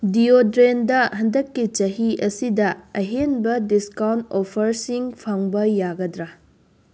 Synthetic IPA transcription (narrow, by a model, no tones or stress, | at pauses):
diodɾendɐɦɐndɐkːit͡ʃɐɦiʔɐsidɐɐɦenbɐdiskawntopʰɐɾsiŋpʰaŋbɐjaɡɐdɾɐ